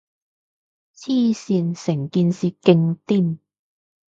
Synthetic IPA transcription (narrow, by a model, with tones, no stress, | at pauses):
t͡sʰiː˥˧siː˧nsɪ˨˩ŋkiː˧nsiː˨˧kɪ˧ŋt̪iː˥˩n